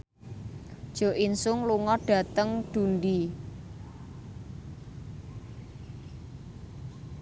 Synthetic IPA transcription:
d̥ʒ̥o̤ʔinsʊŋluŋɔɖ̥ä̤t̪əŋɖ̪̥ṳnɖi

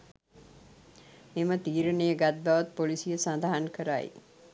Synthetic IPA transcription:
emət̪iːɾənejəɡat̪̚baʋat̪̚polisijəsand̪aɦankəɾa̰j̰

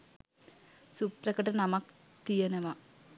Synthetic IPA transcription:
suprɐkɐʈɐnɐmɐk | t̪ijɐnɐʋɐ

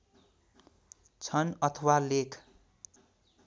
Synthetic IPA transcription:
t͡sʰʌnʌt̪ʰʌwalekʰ

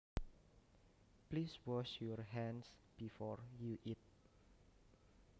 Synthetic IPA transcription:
pliswɔʃjɔrɦɛ̃nsb̥ifɔɹjuʔit̪̚

